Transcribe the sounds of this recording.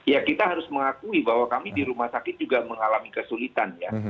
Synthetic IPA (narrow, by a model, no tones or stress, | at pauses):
jakit̪aɦaɾʊsməŋakuibahwakamidiɾumahsakɪt̪̚d͡ʒuɡaməŋalamikəsulit̪anja